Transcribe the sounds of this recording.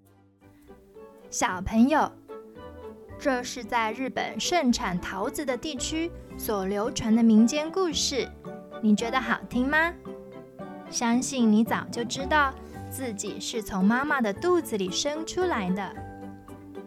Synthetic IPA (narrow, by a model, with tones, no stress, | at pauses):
ɕjɑ˨˩ʊpʰə˧˥ŋjo˥˧ʊ | ʈ͡ʂɤ˥˧ʂɻ̩˥˧t͡sa˥˧ɪɻɻ̩˥˩pə̰˨˩nʂə˥˩ŋʈ͡ʂʰa˨˩nt̪ʰɑ˧˥ʊt͡sɹ̩˧˥d̪ə˨t̪i˥˩t͡ɕʰy˥swɔ˨˩ljo˧˥ʊʈ͡ʂʰwa˧˥nd̪ə˧mi˧˥ŋt͡ɕjɛ˥nku˥˧ʂɻ̩˥˩ | ni˨˩t͡ɕɥɛ˧˥d̪ə˧xɑ˨˩ʊt̪ʰi˥ŋma˧ | ɕjɑ˥ŋɕi˥˩nni˧˥t͡sɑ˨˩ʊt͡ɕjo˥˩ʊʈ͡ʂɻ̩˥t̪ɑ˥˩˧ʊ | t͡sɹ̩˥˩t͡ɕi˨˩ʂɻ̩˥˩t͡sʰʊ˧˥ŋma˥ma˥˩d̪ə˩t̪u˥˩d͡z̩˨˩li˨˩ʂɤ˥ŋʈ͡ʂʰu˥la˧˥ɪd̪ə˧